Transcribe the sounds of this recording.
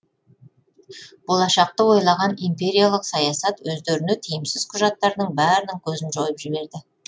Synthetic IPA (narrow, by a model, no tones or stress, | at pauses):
b̥o̞lˠɑʃɑq̚t̪əwo̞jlˠɑʁɑnimpe̞ɾijalˠəqsɑjɑsɑt̪wɵzd̪e̞ɾɪnet̪ʰijɪmsɪz̥qʰʊʒɑt̪ːɑɾd̪əɴbæɾɪnɪŋkʲʰɵzɪnʒojəpʒɪbe̞ɾd̪ɪ